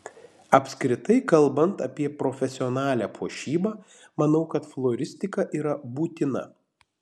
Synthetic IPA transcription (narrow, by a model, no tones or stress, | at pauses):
ɐpʲsʲkɾʲɪt̪ɐɪkɐlˠˑbɐnt̪ɐ̰pʲiɛpɾɔfʲɛsʲɪɔnɑːlʲæːpʰuɔʃʲiːbɑː | mɐnɐʊkɐt̪flˠoːɾʲɪsʲt̪ʲɪkɐʔiːɾɐbuːt̪ʲɪnɐ̰